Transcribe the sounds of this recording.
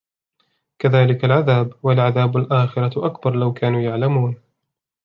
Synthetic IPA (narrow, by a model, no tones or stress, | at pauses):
kaðaːlɪkalʕaðaːbwalʕaðaːbalʔaːxɪɾˤɑʔakbɑɾˤlawkaːnuːjaʕlamuːn